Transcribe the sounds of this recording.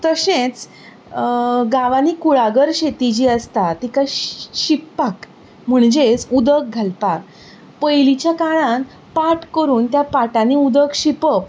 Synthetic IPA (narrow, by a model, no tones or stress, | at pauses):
t̪əɕẽt͡s | ɡaʋanikuɭaɡəɾɕet̪id͡ʑiːəst̪at̪ikaɕipːak | m̤əɳd͡ʑet͡sud̪ək̚ɡʱəlpak | pəjlit͡ɕjakaɭãn | paʈkəɾuːnt̪japaʈaniud̪əkɕipəp